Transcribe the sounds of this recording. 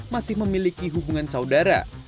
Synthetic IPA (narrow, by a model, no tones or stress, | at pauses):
masɪhməmilikiɦubuŋansaudaɾa̰